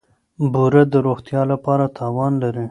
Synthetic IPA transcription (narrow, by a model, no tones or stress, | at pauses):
buɾad̪əɾoxt̪jɑlapɑɾat̪ʰɑwɑnlaɾi